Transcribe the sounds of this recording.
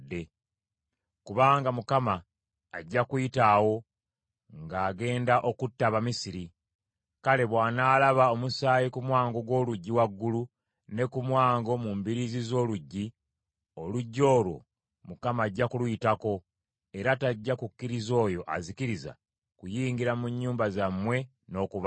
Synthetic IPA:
dːe̞ | kuβaːŋɡamukamaː | ɟːakujitaːwo̞ | ŋɡaːɡe̞ːndaʔo̞kutːaβamisiɾi | kale̞βwaːnaːlaβao̞musaːjikumwaːŋɡo̞ɡwo̞ːluɟːiwaɡːulu | ne̞kumwaːŋɡo̞mumbiɾizizo̞ːluɟːi | o̞luɟːo̞ːlwo̞̰ | mukamaːɟːakulujitako̞ | e̞ɾataɟːakukːiɾizo̞ːjo̞ʔa̰zikiɾiza̰ | kujiːŋɡiɾamuɲːuːmbazamːwe̞ | no̞ːkuβa

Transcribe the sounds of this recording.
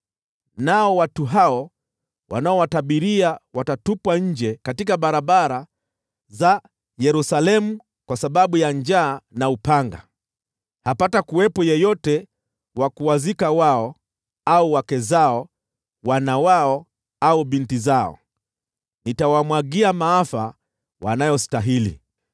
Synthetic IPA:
naɔwatuɦaɔ | wʔa̰naɔwataɓiɾiawatatupwaɲ̩d͡ʒɛkatikaɓaɾaɓaɾa | za | jɛɾusalɛmu | kwasaɓaɓujaɲd͡ʒaːnaupaŋɡa̰ | hapatakuwɛpɔjɛjɔtɛ | wakuwazikawaɔ | auwakɛzaɔ | wanawaɔ | auɓintizaɔ̰ | nitawamwaɡiamaːfa | wʔa̰najɔstaɦilḭ

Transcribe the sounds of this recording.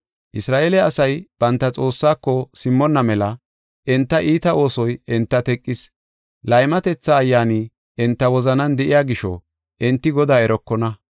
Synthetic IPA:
ʔɪsɾaːʔeːlɛɐsɐjb̥ɐnt̪ːɐt͡sʼo̞ːsːaːkːɔsɪmːɔnːɐmɛlɐ | ʔɛnt̪ːɐʔiːt̪ɐo̞ːsɔjɛnt̪ːɐt̪ɛkʼːɪs | lɐjmɐt̪ɛt͡sːaːjːaːni | ɛnt̪ːɐwɔzɐnɐnd̪ɛʔɪjaːɡɪʃɔ̰ | ʔɛnt̪ːɪɡɔd̪aːɛɾɔkːɔnɐ

